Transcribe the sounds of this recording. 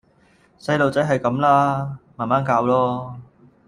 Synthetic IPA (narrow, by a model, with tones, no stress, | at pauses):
sɐ˧jlo˨wt͡sɐ˨˥jɦɐ˨jkɐ˨˧˥mlaː˥maː˨˩nmaː˨˥nkaː˧wlɔː˥